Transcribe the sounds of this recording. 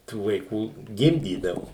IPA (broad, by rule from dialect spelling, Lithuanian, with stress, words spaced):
tuː ʋɐɪˈkuː ˈɡʲɪmʲdʲiːdɐʋʊ